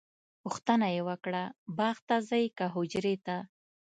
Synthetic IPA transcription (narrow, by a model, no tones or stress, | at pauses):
pʊxt̪ənajewəkɽabɑxt̪azajkaɦʊd͡ʒɾet̪a